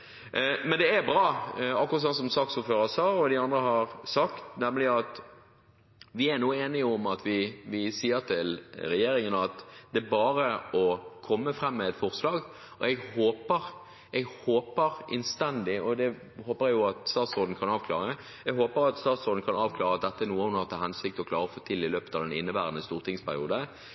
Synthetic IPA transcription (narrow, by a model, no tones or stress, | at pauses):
mɛnd̪ɛæɾbɾɑːɑkːʊɾʁɑt̪sɑnsɔmsɑːksuːføːɾəsɑːɔd̪ɪɑnd̪ɾəɦɑʁsɑkt̪nɛmlɪɑt̪ | ʋɪæɾnuːəeːnɪɔmɑt̪ʰʋɪʋɪsiːəɾt̪ʰɪlɾɛjeːɾɪŋənɑt̪d̪̥ɛæɾbɑːɾəɔkʰɔmːəfɾɛmːɛɛt̪fɔʁslɑːɡ | ʔɔɛɡhoːpəʁ | ɛɡhoːpəɾʔɪ̰nst̪ɛnd̪ɪɔd̪ɛ | hoːpəɾɛɡjʊɑt̪st̪ɑːt̪sʁoːd̪n̩kʰɑnɑːʋkʰlɑːʁə | ɛɡɦoːpəɾɑt̪st̪ɑːt̪sʁoːd̪n̩kʰɑnɑːʋkʰlɑːɾəɑt̪̚d̪ɛt̪ːəæɾnuːəhʊnɑʁt̪ʰɑːhɛnsɪk̚t̪ɔkʰlɑːɾəɔfoːt̪ʰɪlːɪløːpət̪ɑʋd̪ɛnɪ̰nːəbæːʁənəst̪uːʁt̪ʰɪŋspʰæɾɪ̰uːd̪ə